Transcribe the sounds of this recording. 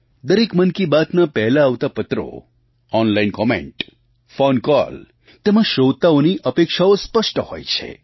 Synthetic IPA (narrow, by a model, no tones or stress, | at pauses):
d̪əɾekmənkibat̪napɛɦlaːʋt̪apət̪ɾo̰ | ɔnlainkɔmḛ̃ɳʈ | fonkɔ̰l | t̪emãʃowt̪aoniʔəpekʃaospəʃʈəho̰jt͡ʃʰḛ